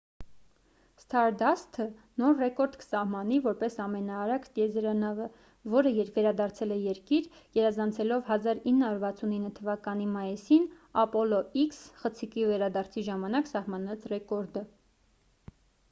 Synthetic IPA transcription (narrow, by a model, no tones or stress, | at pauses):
st̪ʰɑɾd̪ɑst̪ʰənɔɾrɛkɔɾd̪kə̥sɑhmɑnivɔɾpɛsɑmɛnɑːɾɑkʰt̪jɛzɾɑnɑvə | vɔɾəjɛɾkvɛɾɑd̪ɑɾt͡sʰɛlɛjɛɾkiɾ | ɡɛɾɑzɑnt͡sʰɛlɔvɦɑzɑɾinːəhɑuɾvɑt͡sʰuninːət̪ʰəvɑkɑnimɑjisin | ɑpɔlɔiksχət͡sʰikivɛɾɑd̪ɑɾt͡sʰiʒɑmɑnɑksɑhmɑnɑt͡sʰrɛkɔɾd̪ə